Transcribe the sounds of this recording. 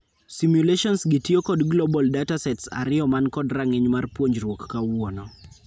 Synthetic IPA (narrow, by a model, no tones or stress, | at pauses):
simjuleʃɔnsɡɪtiokɔdɡlobɔldatasɛtsa̰ɾɪjɔmankɔdraŋɪɲmarpwoɲd͡ʒɾwokːawɔnɔ